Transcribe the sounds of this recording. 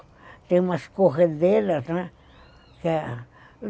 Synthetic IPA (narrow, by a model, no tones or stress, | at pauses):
t̪emãskoxed̪elat̪ã | ka